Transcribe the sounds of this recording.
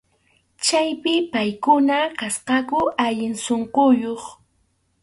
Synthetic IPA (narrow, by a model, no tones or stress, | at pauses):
t͡ʃajpɪpajkʊnakasqɑkʊaʎɪnsoɴqojoχ